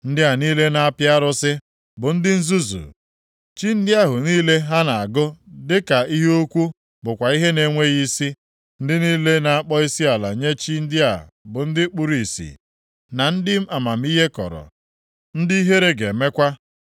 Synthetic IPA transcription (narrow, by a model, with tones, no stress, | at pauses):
n̩˦dɪ˦a˨niː˦le˦na˨a˦pja˦ɾʊ˦sɪ˦ | bʊ˨n̩˦dɪ˦n̩˦zu˦zṵ˨ | t͡ʃi˦n̩˦dɪ˦a˦ɦʊ˨niː˦le˦ɦa˦na˨a˨ɡʊ˦dɪ˦ka˨i˦ɦe˦o˦kʷu˦ | bʊ˨kʷa˨i˦ɦe˦ne˨ŋʷe˦ɣi˦si˦ | n̩˦dɪ˦niː˦le˦na˨a˦k͡pɔ˦i˦si˦a˨la̰˨ɲe˦t͡ʃi˦n̩˦dɪ˦a̰˨ | bʊ˨n̩˦dɪ˦k͡pu˦ɾi˨sḭ˨ | na˨n̩˦dɪ˦m̩˦a˨ma˨m̩˦i˦ɦe˦kɔ̰˨ɾɔ̰˨ | n̩˦di˦i˦ɦe˦ɾe˦ɡe˨me˦kʷa˦